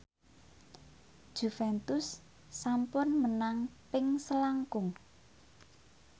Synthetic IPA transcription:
d̥ʒ̥ṳfɛnt̪ʊsː | ampʊnmənaŋpɪŋsəlaŋkʊŋ

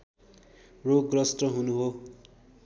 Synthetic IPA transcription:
roɡrʌsʈʌɦunuɦo

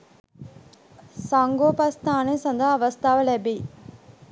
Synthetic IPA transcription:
saŋɡoːpɐst̪aːneːsɐnd̪ʱaɐʋɐst̪ʰaːʋɐlɛbiː

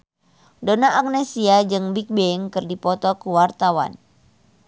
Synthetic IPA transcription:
donaʔːk̚nesiad͡ʒɨŋbik̚bɛŋkɨrdipɔt̪ɔkuwart̪awa̰n

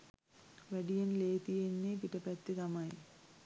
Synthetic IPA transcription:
ʋɐɖijɐnleːt̪ijenːepiʈɐpɐt̪ːiðɐmaːji

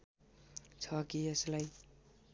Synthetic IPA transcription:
t͡sʰʌkieslaj

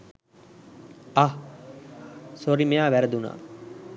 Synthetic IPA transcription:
a | soɾimejaːʋæɾəd̪una̰ː

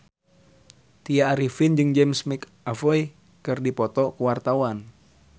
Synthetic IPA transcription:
t̪iaːɾifind͡ʒɨŋd͡ʒɛmsmik | afɔi | kɨrdipɔt̪ɔkuwart̪awan

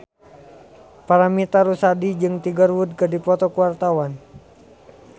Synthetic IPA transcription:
paɾamit̪aɾusadid͡ʒɨŋt̪iɡərwud̚kɨdipɔt̪ɔkuwart̪awan

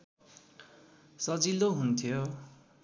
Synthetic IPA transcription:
sʌd͡ziloɦunt̪ʰjo

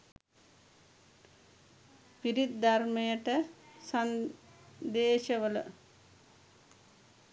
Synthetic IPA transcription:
piɾit̪d̪armejəʈəsan | d̪eːʃəʋələ̰

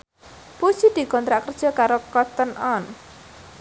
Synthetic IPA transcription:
put͡ʃid̪ikɔnd̪ɾakrd͡ʒʌkaɾɔkɔt̪ənɔn

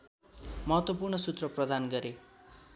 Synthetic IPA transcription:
mʌɦʌt̪wʌpurnʌsut̪rʌprʌd̪ʱanɡʌɾe

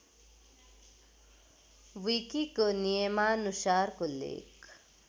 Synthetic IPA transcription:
ʋiːkikonijemaːnuʃaːɾkolḛːk

